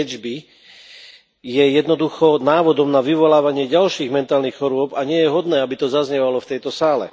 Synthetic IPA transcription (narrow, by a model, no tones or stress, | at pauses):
ɛd͡ʒbi | jɛjɛd̪nɔd̪uxɔnaːʋɔd̪ɔmnaʋiʋɔlaːʋaɲɪɛɟalʃiːɣmɛnt̪aːlnixxɔɾʊɔbaɲɪɛjɛɦɔd̪nɛːabit̪ɔzazɲɛʋalɔft̪ɛjt̪ɔsaːlɛ̰